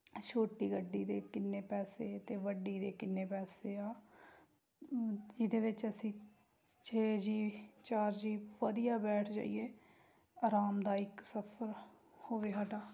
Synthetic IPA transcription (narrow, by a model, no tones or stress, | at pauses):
ʃʰoːʈːiːɡəɖːiːd̪eːkɪnːeːpɛːseːt̪eːʋəɖiːd̪eːkɪnːeːpɛːseːaː | d͡ʒɪd̪eːʋɪt͡ʃəsĩː | t͡ʃʰeːd͡ʒiːt͡ʃaːɾd͡ʒiːʋəd̪ijaːbɛːʈʰd͡ʒa̰ːḭeː | aːɾaːmd̪aːɪksəpʰəɾ | hoːʋeːɦaʈaː